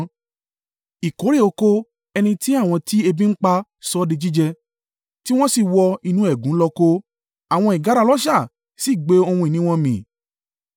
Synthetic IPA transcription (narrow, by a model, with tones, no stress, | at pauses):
i˨ko˨˦ɾe˦˨o˧ko˧ | ɛ˧nĩ˧ti˦a˦˨w̃ɔ̃˧ti˦e˧bĩ˦n̩˦k͡pa˧sɔ˦di˧d͡ʒi˦d͡ʒɛ˧ | ti˦w̃ɔ̃˦si˦˨wɔ˧i˧nũ˦ɛ˦˨ɡũ˨˦lɔ˧ko˦ | a˨w̃ɔ̃˧i˨ɡa˨˦ɾa˧lɔ˦ʃa˦˨ | si˦˨ɡ͡be˨˦o˧hũ˧i˨nĩ˦w̃ɔ̃˧mĩ˨